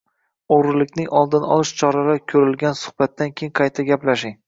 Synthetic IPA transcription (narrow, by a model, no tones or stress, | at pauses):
oɾɪlɪkʲnɪŋʔɒlˠd̪ɪnɒ̰lˠɪʃt͡ʃʰɒɾalakʲʰɵɾɪlɡʲansʊ̥χb̥at̪ːankʲʰejɪŋqʰɑjt̪ʰaɡʲaplaʃɪŋ